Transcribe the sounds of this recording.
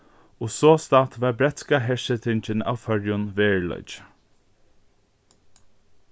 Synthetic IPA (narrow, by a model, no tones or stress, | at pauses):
ɔsoːst̪at̪ʋaɹbɾɛt̪skaɦɛʃət̪ʰɪɲt͡ʃɪna̰wfœɹjʊnʋeːɹlɔ̰ʏt͡ʃ